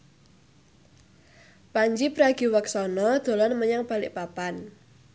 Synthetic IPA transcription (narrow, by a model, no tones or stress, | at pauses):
paɲd͡ʒipɾaɡ̥i̤wəksɔnɔd̪̥o̤lɔnməɲaŋb̥a̤lɪ̰ʔpapan